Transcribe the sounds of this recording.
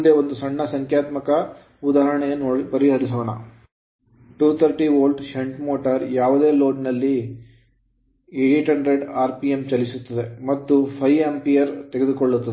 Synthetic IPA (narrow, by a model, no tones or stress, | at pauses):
d̪eːʋond̪usɐɳːɐsɐŋkjaːt̪mɐkɐ | ud̪aːɦɐɾɐɳɛjɐnoɽipɐɾiɦɐɾis̬ɐʋɐɳɐ̰ | ʈuːt̪ʰɐɾʈiʋoːlɖʃeɳʈmoːʈɐɾjaːʋud̪e̞ːlo̞ːɖnɐlːi | iɖiʈɐɳɖɾeɖaːɾpijemt͡ʃɐlisut̪ːɐd̪emɐt̪ːupʰɐjempijɐɾt̪eɡe̞d̪ukoɭːut̪ːɐ